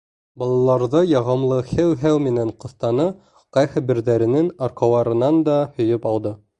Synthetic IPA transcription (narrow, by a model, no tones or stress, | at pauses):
bɑlˠɑlˠɑɾðɤjɑʁɑmlˠɤhɘwɦæwmɘ̆næɴqŏθt̪ɑnɤ | qɑjhɘbɘ̆ɾðæɾɘ̆nɘnɑɾqɑwˠɑɾɤ̆nɑnd̪ɑhɵ̆jɵpɑw̪ˠd̪ɤ